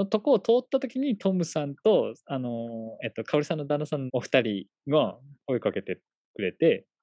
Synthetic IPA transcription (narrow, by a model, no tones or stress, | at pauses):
ot̪o̞koːt̪o̞ːt̪ːat̪o̞kʲiɲ̟it̪ʰo̞mɯ̟sãnt̪o̞ano̞e̞ːt̪ːo̞kʰaoɾʲisãnːo̞d̪anːasãnːoɸɯ̟̥t̪aɾʲi | ɡako̞ekake̞t̪e̞ | kɯ̟ɾe̞t̪e̞